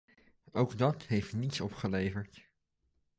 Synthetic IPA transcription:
owɡdɑtɦejftnitsɔpχəlejvəɹt

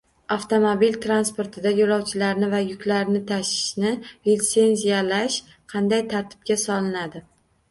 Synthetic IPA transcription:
aft̪o̞mobilt̪ʰɾanspoɾt̪ʰɪd̪ajoɾɒwt͡ʃʰɪlaɾnɪvajʊkʲlaɾnɪt̪ʰaʃɪ̥ʃnɪɾit̪se̞nzijalaʃ | qʰɑnd̪ajt̪ʰaɾt̪ʰɪ̥b̚kʲasɒlɪnad̪ɪ

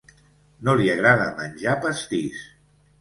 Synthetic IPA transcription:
noliaɣɾaðə̰mənʲʒapəst̪is

